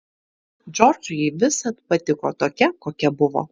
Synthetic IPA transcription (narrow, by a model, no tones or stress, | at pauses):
d͡ʒʲɔːɾd͡ʒʊjɛɪʋʲɪsɐt̪pɐt̪ʲɪkoːt̪oːkʲɛkoːkʲɛbʊʋo̰